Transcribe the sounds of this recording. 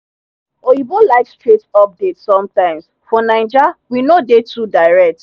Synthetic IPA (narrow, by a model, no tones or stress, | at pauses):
oibolaɪkstɹetɔp̚detsɔ̃mtãɪ̃ms | fɔnãɪ̃nd͡ʒawinodetudaɪɹɛk̚t